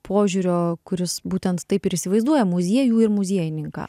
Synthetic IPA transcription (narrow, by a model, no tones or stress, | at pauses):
pʰoːʒʲuːɾʲoːkʊɾʲɪsbuːt̪ʲɛnt̪t̪ɐɪpɪɾɪsʲɪʋɐɪzd̪uɔjɛmʊzʲiɛjuːɪɾmʊzʲiɛjɪnʲɪŋkɑ̰ː